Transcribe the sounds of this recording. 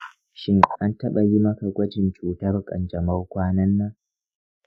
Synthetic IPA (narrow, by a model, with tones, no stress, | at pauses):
ʃɪ˦ŋʔa˦ntɐ˦ɓa˨ji˦mɐ˦ka˨ɡʷɐ˦d͡ʒɪ˨nt͡ʃuː˨tɐ˦rkʼɐ̰˨nd͡ʒɐ˨ma˦wkʷaː˦nɐ˦nːaː˦